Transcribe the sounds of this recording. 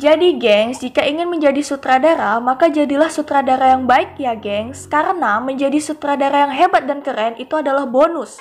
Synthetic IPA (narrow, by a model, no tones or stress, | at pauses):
d͡ʒadiɡɛŋsd͡ʒikaiŋɪnməɲd͡ʒadisut̪ɾadaɾamakad͡ʒadilahsut̪ɾadaɾajaŋbaɪk̚jaɡɛŋskaɾənaməɲd͡ʒadisut̪ɾadaɾajaŋɦebat̪̚dankəɾɛnit̪uadalahbonʊs